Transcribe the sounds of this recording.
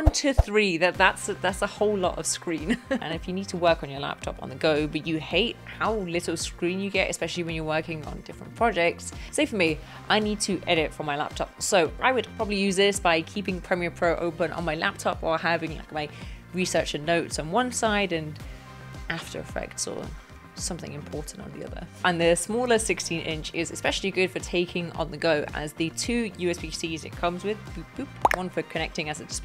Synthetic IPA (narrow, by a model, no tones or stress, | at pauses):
ʌ̃ntʰɨθɹiðɨt̪̚ðætsðætsəhoʊlɔ̰ɾʌ̰v̥skɹĩnʔɨ̰̃nɨfjɨnid̚tʰəwɜ˞kn̩jə˞læ̰p̚tʰɔ̰pn̩ðɨɡoʊbʌt͡ʃɨheɪt̚haʊlɪɾl̩ˠskɹĩnjɨɡɛɾɨ̰spɛʃl̩ˠiwɨ̃njə˞wɜ˞kɪ̃ŋə̰̃ndɪfɹə̰̃npʰɹ̥ɑd͡ʒɛk̚tsseɪfə˞mi | ʔaɪnid̚tʰɨʔɛɾɪtfə˞maɪlæ̰p̚tʰɑ̰psoʊʔaɪwɨd̚pʰɹ̥ɑbəblijʉzðɪsb̥aɪkʰipɪ̃ŋpʰɹ̥ɛmiə˞pʰɹ̥oʊʔo̰ʊpə̃nʔə̰̃nmaɪlæ̰p̚tʰɑpə˞hævɪ̃ŋla̰ɪk̚maɪɹisɜ˞t͡ʃɨ̃nnoʊtsn̩wʌ̃nsaɪɾɨ̃n | ʔæftə̰˞ɨ̰fɛ̰k̚tsə̰˞ | sʌ̃mθɪ̰̃ŋɨ̃mpʰɔɹʔn̩tn̩ðḭʌ̰ðə̰˞ʔə̃nðɨsmɔlˠə˞sɪkstʰĩnʔɪ̰̃nt͡ʃɪzɨspɛʃl̩ˠiɡʊd̥fə˞tʰeɪkʰɪ̃ŋə̰̃nðɨɡoʊʔə̰zðɨtʰʉjʉɛsb̥isizɨ̰t̚kʰʌ̃mzwɪð̥b̥ʉb̥ʉpwʌ̃nfə˞kʰɨnɛk̚tɪ̃ŋɨzɨs